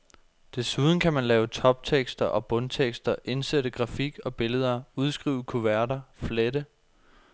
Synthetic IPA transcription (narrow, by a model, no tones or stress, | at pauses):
d̥e̝suð̞ˠn̩kʰæmænlɛːʊt͡sʰɒ̽b̥̚t͡sʰeɡ̥sd̥ɐʔɒ̽b̥ɔ̽nt͡sʰeɡ̥sd̥ɐʔe̝nseɾəɡ̥ʁɑ̈fiɡ̥ɒ̽b̥e̝ləð̞ˠɐuð̞ˠsɡ̥ʁḭːʊəkʰuʋæɐɾɐfledə